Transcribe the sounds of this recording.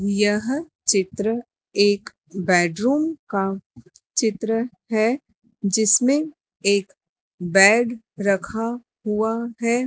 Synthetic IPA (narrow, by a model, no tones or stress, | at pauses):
jɐɦ | t͡ʃɪt̪ɾə | eːk | bɛːɖɾuːmka | t͡ʃɪt̪ɾə | ɦɛ | d͡ʒɪsmẽ | eːk | bɛːɖ | ɾɐkʰa | ɦuaɦɛː